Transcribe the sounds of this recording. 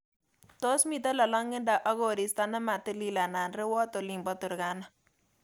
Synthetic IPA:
t̪o˦smi˨t̪a˦la˨lɔ˦ŋːɪ˦nda˨ʔɔ˦ɣo˨ɾi˨st̪a˦nɛ˦ma˨t̪e˦li˦la˨na˨nɾɛ˦wɔ˦t̪o˨li˨mbɔ˦t̪u˨ɾɡa˦na˨

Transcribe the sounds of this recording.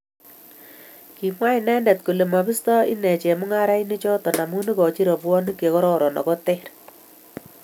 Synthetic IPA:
ki˨mwa˦i˨nɛ˦ndɛ˨tku˨le˨ma˨bi˦stɔ˦ḭ˦nɛ˨t͡ʃe˨mu˦ŋa˦ɾa˦jni˦t͡ʃɔ˦tɔ˨na˨mu˦ni˦kɔ˨t͡ʃi˦ɾɔ˨pwɔ˦ni˦kːe˨kɔ˦ɾɔ˦ɾɔ˨nɔ̰˨kɔ˦tɛ˦ɾ

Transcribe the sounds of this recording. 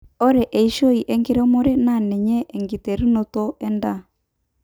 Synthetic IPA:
ɔ˦ɾɛ˨ʔɛ˨i˦ʃo˦i˨ʔɛ˦ŋɡe˦ɾɛ˦mo˦ɾɛ˦na˨nɛ˨ɲɛ˦ʔːŋɡi˨te˨ɾi˦no˦tɔ˦ɛ˦nda˦˨

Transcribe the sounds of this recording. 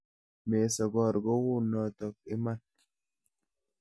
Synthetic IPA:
me˨sɔ˨ɡɔ˨ɾɡɔ˦wu˦nɔ˨t̪ɔ˨k̚ɪ˦ma˦n

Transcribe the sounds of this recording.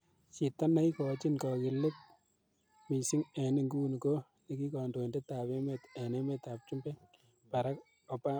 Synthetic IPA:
t͡ʃi˨ta˦na˦ikɔ˨˦t͡ʃi˦nkɔ˨kɪ˨lʊ˦p̚ | mi˨si˦ŋɛ˨nɪ˦ŋɡu˦n˨ko˦ | ni˨ki˦ka˨ndo˨inde˦ta˨pe˦me˦tɛ˨ne˦me˦ta˨p̚t͡ʃu˦mbe˦ | pa˨ɾa˦k | ɔ˨pa˦

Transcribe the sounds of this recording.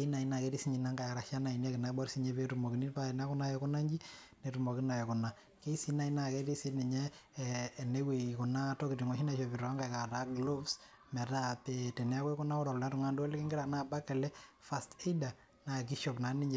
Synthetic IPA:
ki˦na˨i˨˦na˨ke˦ɾi˦si˦ɲi˨na˦ŋɡa˨ja˨ɾa˨ʃa˦na˨i˨na˦kɪ˨na˨bɔ˦ɾsi˦ɲe˦pe˦tu˨mɔ˨ki˨ni˦tpa˦ɛ˨n˦a˦kʊ˦na˦jɛ˨kʊ˦na˦ɲd͡ʒi˦ | ne˨ɾu˨mo˨ki˦na˨jɔ˨kʊ˨na˨ | ke˦i˦si˦na˨˦i˦na˨ke˦ti˦si˦nɛ˨ɲɛ˦˨ | ne˦we˨kʊ˨na˦tɔ˦ki˨ti˨ŋɔ˨ʃi˦na˨ʃɔ˨pi˨ɾɔ˨a˦ŋɡa˨jka˨ta˦ɡlo˦vs | mɛ˨ta˦pe˨tɛ˨nɛ˦a˦kwɛ˦kʊ˦na˦ɔ˦ɾɔ˨lna˦ɾu˨ŋa˦ndu˦ɔ˦lkɪ˦ŋɡɪ˦ɾa˨naː˦˨ba˦kɛ˨lɛ˦fa˨ste˦ida˨ | na˨k̬i˦ʃɔ˨pna˨ni˦ɲe˨

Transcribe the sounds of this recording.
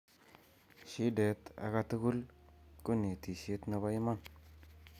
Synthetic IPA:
ʃi˦de˨˦ta̰˨ka˦tu˦ku˦lku˦ne˨ti˨se˦tna˦˧ba˦jma˦n

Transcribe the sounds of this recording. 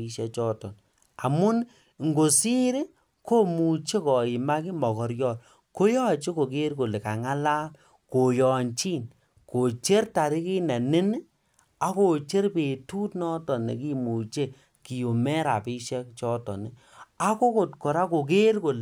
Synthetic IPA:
i˦ʃɛ˦k̚t͡ʃɔ˦tɔ˨n | a˨mʊ˦n | ŋɡo˨si˦ɾe˦ | ko˦mu˨t͡ʃe˦kɔ˨i˨ma˦ki˦mɔ˨kɔ˨ɾjɔ˦˨l | ko˦jɔ˦t͡ʃe˦ko˨k̬e˦ɾko˨le˨ka˨ŋa˦la˦l | ko˨jɔ˨nt͡ʃi˦n | ko˨t͡ʃe˦ɾta˨ɾi˦ki˦na˨nɪ˦n˦ | a˦ko˨t͡ʃe˦ɾpe˨tu˦tnɔ˦tɔ˨ne˨ki˦mu˨t͡ʃe˦ | ki˨jo˨mɛ˦ɾa̰˨pi˦ʃɛ˦kt͡ʃɔ˦tɔ̰˨ni˨ | a˦ko˦ko˨tkɔ˨ɾa˦ko˨k̬e˦ɾko˨l

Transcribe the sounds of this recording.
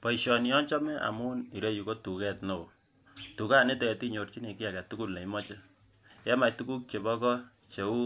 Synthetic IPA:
pɔ˨i˨ʃɔ˨ni˨jɔ˦ɲt͡ʃɔ˦mɛ˦ʔa̰˨mu˦ni˨ɾo˦ju˨ko˦tu˨kɛ˦tno˨o˨ | tu˨ka˦˨ne˦tɛ˨ti˦ɲo˨rt͡ʃi˦ni˨kɪ˦a˨ka˨tu˦ku˦˨lna˨˦mɔ˦t͡ʃe˦ | jɛ˦ma˨jtu˦ku˦k̚t͡ʃe˨bɔ˦kɔ˦ | t͡ʃe˨u˦

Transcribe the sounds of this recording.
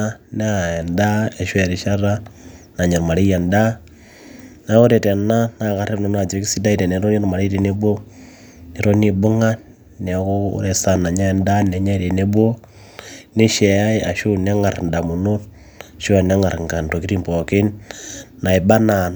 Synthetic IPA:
a˦ne˦a˨e˨nda˦e˨ʃwe˨ɾi˨ʃa˦ɾa˦na˨ɲe˨ɾma˨ɾi˦ja˨nda˦ | na˨˦ko˦ɾe˨te˨na˦na˨ka˨ɾe˦ne˨m˦a˨d͡ʒo˨˦ki˦si˦da˦i˦te˨ne˨ɾo˦ni˦ɾo˦ma˨ɾe˦ɾe˨ne˦bwo˦ | ne˨ɾo˦ni˦bu˦ŋa˦ | nɛ˨˦ko̰˦ɾe˨sa˨na˨ɲa˦nda˦ne˨˦ɲa˦˨ɾe˨ne˦bwo˦ | ne˦ʃe˨a˦i˦a˨ʃu˦ne˦ŋa˨ɾnda˨mu˨no˦ | ʃu˦a˨ne˦ŋa˨ɾŋ˨ka˨n˨to˨ki˦ɾi˦mpo˨ki˦nː | a˨i˨ba˦na˨n

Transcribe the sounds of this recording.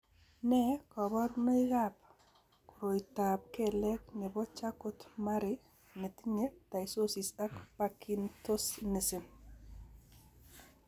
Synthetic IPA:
nɛkɔ˨bɔ˦ɾuno˦i˦ɣap̚ | ku˨ɾo˨itap̚kɛ˨lɛ˦knɛ˨bɔ˦t͡ʃa˦ko˦tma˦ɾɪ | ne˨ti˦ɲe˦ta˨iso˦sisa˦kpakinto˦sne˨si˨n

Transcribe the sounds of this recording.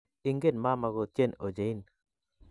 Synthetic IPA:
i˦ŋɡe˦nma˦ma˨ɡɔ˨tt͡ʃje˦no˨d͡ʒe˨i˦n

